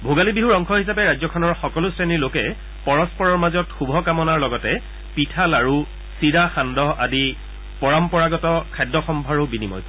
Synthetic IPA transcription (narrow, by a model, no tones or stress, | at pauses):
bʱoɡalibiɦuɹɔŋkʰɔɦisapɛɹajzɔkʰɔnɔɹxɔkɔlʊsɹeniɹlokɛ | pɔɹɔspɔɹɔɹmazɔtxubʱɔkamɔnaɹlɔɡɔtɛ | pitʰalaɹu | siɹaxandɔɦadi | pɔɹampɔɹaɡɔtɔkʰajdːɔxɔmbʱaɹubinimɔ̰j